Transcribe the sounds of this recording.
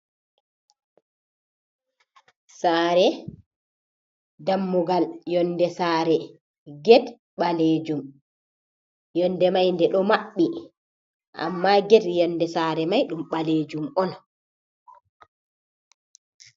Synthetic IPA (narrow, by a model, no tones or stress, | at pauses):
saːɾɛ | damːuɡaljɔndɛsaːɾɛ | ɡɛd | ɓaleːd͡ʒum | jɔndɛmajndɛɗɔmaɓːi | ʔa̰mːaɡɛdjɔndɛsaːɾɛmajɗumɓaleːd͡ʒumɔn